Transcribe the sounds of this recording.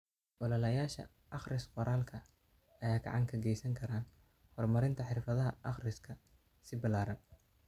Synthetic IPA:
ʔɔlɐlɐjaːʃɐ̰ | ʔɑχrɪsqɔɾʔaːlkʰɐ | ʔɐjaːɡɑ̰ʕɑŋkʰɐɡɛjsɐŋkʰɐɾaːn | hɔrmɐɾɪnt̪ʰɐħɪrfɐðɐɦɐʔɑχrɪskʰɐ | sɪbɪlaːɾɐn

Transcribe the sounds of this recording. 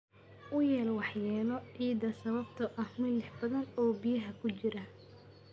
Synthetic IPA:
ʔʊjɛːlwɑħjɛːlɔʕiːd̪ɐsɐβɐb̚t̪ʰɐʔɐhmɪnlɪħbɐðɐnɔːbijɐɦɐkʰʊt͡ʃɪɾɐ

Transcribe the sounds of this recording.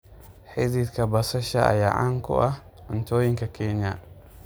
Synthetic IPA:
ħɪðiːd̪kʰɐbɐsɐʃɐɐ̰ja̰ːʕa̰ːŋkʰʊ̰ʔɐh | ʊnt̪ʰɔːjɪŋkʰɐkʰɛnɐ̰

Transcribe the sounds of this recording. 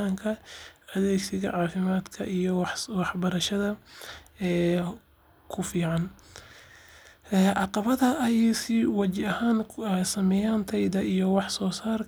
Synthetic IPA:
aːŋkʰɐɐðeːɡsɪɣɐ̰ʕɑːfɪmaːd̪kʰɐ̰ʔijɔwɑħbɐɾɐʃɐðɐ | ɛː | kʰʊfiːʕɑn | ɛːʔɑqɑβɐðɐʔɐjɐsɪwɑt͡ʃɪɐhaːnsɐmɛjaːnt̪ʰɛjd̪ɐʔijɔwɑħsɔːsaːr

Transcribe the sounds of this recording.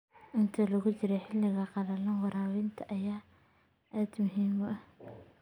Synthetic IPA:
ʔɪnt̪ʰɐlɐɣʊt͡ʃɪɾɛjħɪlːɪɣɐqɑɾɐlɐnwɑɾaːwɪnt̪ʰɐʔɐjaː | ʔaːd̪mʊɦiːmɐ

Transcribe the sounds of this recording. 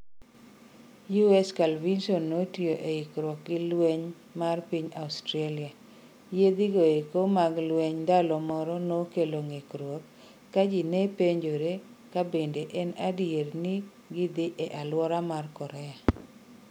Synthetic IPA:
juɛskalvinsonːotioʔeɪkɾwɔk̚ɡɪlweɲ | marpiɲaʊstɾalia | jed̪ɪɡoekomaɡlweɲdalɔmɔɾɔnokeloŋekɾwɔkː | ad͡ʒinepeɲd͡ʒoɾekabendeʔɛnadɪjernɪ | ɡɪd̪ɪʔɛʔalwɔɾamarkɔɾɛa

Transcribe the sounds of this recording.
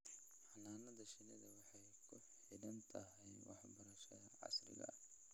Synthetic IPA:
ħɑnaːnɐðɐʃɪnɪðɐwɑħɑjkʰʊħ | ɪdɐnt̪ʰɐɦɛjwɑ̰ħbɐɾɐʃɐðɐʕɑ̰slɪ̰ɣɐ̰

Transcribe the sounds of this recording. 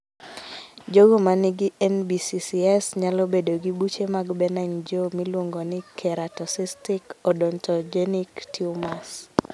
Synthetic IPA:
d͡ʒoɡomanɪɡɪɛnbisisiɛsɲalɔbedoɡibut͡ʃemaɡbɛnaɲd͡ʒomilwoŋɡonɪkʰɛɾatɔsistɪkɔdɔntɔd͡ʒeniktʰiumas

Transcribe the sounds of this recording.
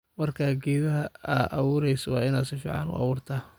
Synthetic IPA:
mɐrkʰaːɡɛːβɐɦɐʔɑwʊːɾɛjsɔwɑːɪnaːd̪sɪfḭːʕɑ̰nʊ̰ʔɑ̰wʊːrt̪ʰaː

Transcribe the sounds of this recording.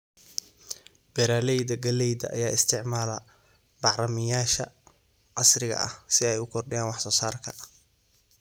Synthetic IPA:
b̥ɛɾaːlɛjd̪ɐɡɐlɛjðɐ̰ʔːjaːɪst̪ʰɪʕmaːlɐ | b̥ɑʕrɐmɪjaːʃɐ̰ | qɑsrɪɣɐ̰ʔɐ̰hsɪɛjʊkʰɔrɖɪjaːnwɑħsɔːsaːrkʰɐ

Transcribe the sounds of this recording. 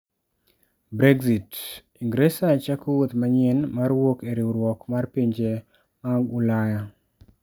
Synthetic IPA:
bɾeɡzit | iŋɡɾesat͡ʃakowot̪maɲɪnmaɾwokeɾiuɾwɔkmarpiɲd͡ʒe | maŋɡulaja

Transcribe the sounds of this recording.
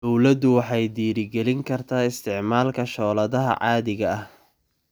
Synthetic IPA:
d̪ɔwlɐd̪ʊwɑħɑjd̪iːɾɪɡɛlɪŋkʰɐrt̪ʰaːɪst̪ʰɪʕmaːlkʰɐʃɔːlɐðɐɦɐ̰ʕɑːðɪɣɐɐh

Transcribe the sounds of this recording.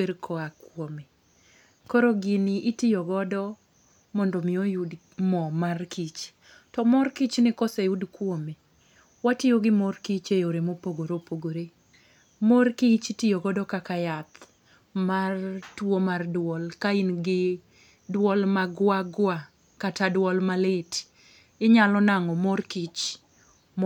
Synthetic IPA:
weɾkʰɔakwome | kɔɾoɡɪniʔitijɔɡɔdɔ | mɔndɔmɪojud | mɔmarkʰit͡ʃ | tɔmɔrkit͡ʃnɪkɔsejudkwome | watɪjoɡɪmɔrkit͡ʃejoɾemopoɡoɾopoɡoɾe | morkit͡ʃtɪjoɡɔdɔkakajat̪ | martwomardwɔlkainɡɪ | dwɔlmaɡwaɡwa | katadwɔlmalet | ɪɲalɔnaŋɔmɔrkit͡ʃ | m

